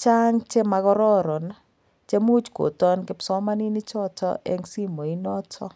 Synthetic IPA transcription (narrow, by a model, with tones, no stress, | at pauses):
t͡ʃa˦ŋt͡ʃɛ˦ma˨ɣɔ˦ɾɔ˦ɾɔ˨na | t͡ʃe˦mu˦t͡ʃko̰˨tɔ˦nkɪ˦psɔ˦ma˦ni˦ni˦t͡ʃɔ˦tɔ̰˦ʔḛ˦ŋsi˦mo˨i˦nɔ˦tʰɔ˦